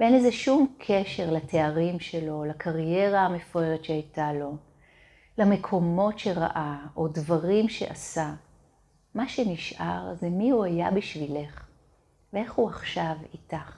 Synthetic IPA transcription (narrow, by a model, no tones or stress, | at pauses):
benezeʃumkʰeʃe̞ʁlatʰe̞aʁimʃe̞lo̞lakʰaʁje̞ʁaame̞fʁeʁetʃeajtalo̞ | lame̞kʰo̞mo̞tʃe̞ʁa̰ʔaʔo̞dvaʁimʃe̞̰ʔasa | maʃeniʃʔaʁzemiuhajabiʃvile̞χ | vee̞χhuaχʃavitaχ